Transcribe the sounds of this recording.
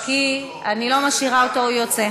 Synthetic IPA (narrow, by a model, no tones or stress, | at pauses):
ki | anilo̞maʃiʁaot̪oujot͡se